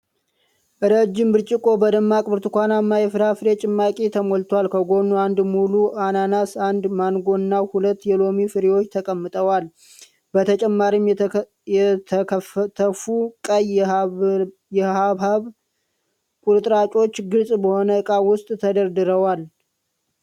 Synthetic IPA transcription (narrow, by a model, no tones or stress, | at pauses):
ʔɨɾəd͡ʒːɪmbɨɾt͡ʃʼɪkʼo̞bəd̪əmːakʼbɨɾt̪ʰɨkʷanamːajɛfɨɾafɨɾet͡ʃʼɪmːakʼit̪ʰəmolt̪ʰwalkʰəɡo̞nːuand̪muluʔananasand̪manɡo̞nːawhulət̪ːjɛlo̞mifɨɾewo̞t͡ʃːt̪ʰəkʼəmːɨt̪ʼəwal | bət̪ʰət͡ʃʼɛmːaɾim | jɛt̪ʰt̪ʰəfukʼəj | jɛhaβaβ | kʷʼuɾɨt̪ʼɾat͡ʃʼo̞t͡ʃːɡɨlsʼbəho̞nəɨkʼawʊst̪ʼt̪ʰəd̪əɾd̪ɨɾəwal